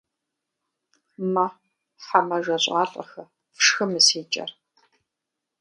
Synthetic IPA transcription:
mɐ | ħamɐʒʷɐɕʼaːɬʼɐ̰xɐ | fʂxɨmɨseːt͡ʃʼɐ̰r

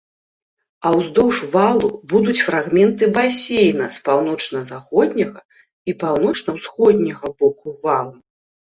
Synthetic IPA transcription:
ɐwzd̪ɔwʂvalˠubud̪ut͡sʲfɾaɣmʲɛnt̪ɨbasʲejnɐspawnɔt͡ʂnɐzaxɔd̪ʲnʲɐɣɐ | ipawnɔt͡ʂnɐwsxɔd̪ʲnʲɐɣɐbɔkuvalˠu

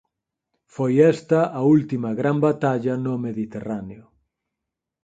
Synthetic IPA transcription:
fojɛst̪ɐʔault̪imɐɣɾambat̪aʎɐnʊmeðit̪eraneʊ

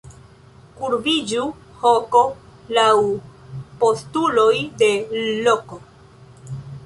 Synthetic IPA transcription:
kuɾbid͡ʒu | hoko̞law | po̞stulo̞jde̞loko

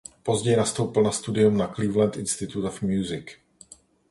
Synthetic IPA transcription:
po̞zɟɛjnast̪owpɪlnast̪udɪumnakliːvlɛnt̪ʔɪnst̪ɪt̪ut̪ofmjuzɪk

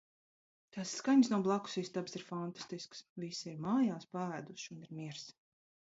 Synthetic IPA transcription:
t̪asːkaɲsnuɔblˠaku̥sist̪absiɾfant̪ḁst̪isksvisiɾmaːjaːspaæːd̪uʃuniɾmiɛɾs

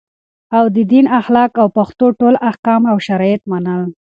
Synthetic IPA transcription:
awd̪əd̪inaxlɑkawpaxt̪oʈolahkɑmawʃaɾɑjat̪manəl

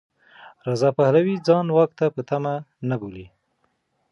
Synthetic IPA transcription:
ɾazɑpahlawid͡zɑnwɑk̚t̪apət̪amanaboli

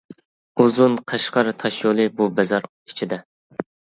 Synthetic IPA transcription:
uzunqʰɑʃqɑɾɨt̪ʰɑʃjolˠɨbubɛzɑɾ | it͡ʃʰid̪ɛ

